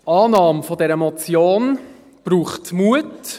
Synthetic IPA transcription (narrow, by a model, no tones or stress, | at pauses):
ʔɑːnɑːmfɔdɛɾəmɔt͡sjoːn | b̥ɾuːχtmuət